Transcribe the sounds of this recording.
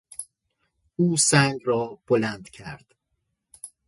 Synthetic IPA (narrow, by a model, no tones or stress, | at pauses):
uːsæŋɡɾɒːb̥olænd̪̥cʰæɾd̪̥